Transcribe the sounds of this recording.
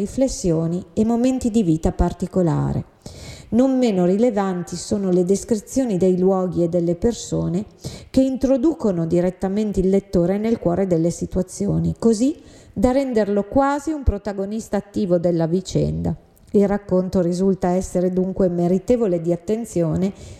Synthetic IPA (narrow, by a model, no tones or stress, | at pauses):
iflesːjoːniemːoment̪id̪iviːt̪apart̪ikola̰ːɾḛ | nomːeːnorilevant̪isoːnoled̪eskɾit̪sːjoːnid̪ejlwɔːɡied̪ːelːepersoːnekeint̪ɾod̪uːkonod̪iɾet̪ːament̪eilːet̪ːoːɾenelkwɔːɾed̪elːesit̪wat̪sːjoːnikozi | d̪arɛnd̪erlokwaːziumpɾot̪aɡonist̪aːt̪ːiːvod̪elːavit͡ʃɛ̰nd̪a | ilrakːont̪oɾizult̪aɛsːeɾed̪uŋkwemeɾit̪eːvoled̪iat̪ːent̪sjoːne